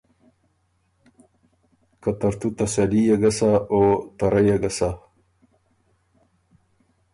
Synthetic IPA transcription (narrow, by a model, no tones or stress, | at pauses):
kat̪ɐɾt̪ut̪asalijaɡɐsaot̪ɐɾajaɡasa